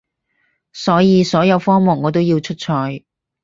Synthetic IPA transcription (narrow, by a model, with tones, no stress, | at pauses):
sɔː˨˥jiː˨˧sɔː˨˥jɐ˨˧wfɔː˥ŋmʊ˨˩ŋːɔː˨˧t̪̬wjiː˧wt͡ʃʰɵ˥t̚t͡ʃʰɔː˧j